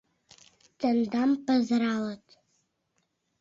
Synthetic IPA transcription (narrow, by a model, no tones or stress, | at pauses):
t̪ənd̪ampəzɾɑlət̪